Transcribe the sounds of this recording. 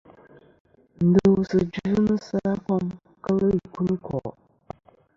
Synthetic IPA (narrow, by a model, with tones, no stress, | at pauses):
n̩˨də˨wsɨ˨d͡ʒu˦nɨ˦sa˦pɔ˦m | kə˦lə˦˨ku˦ni˦kʰɔ̰˨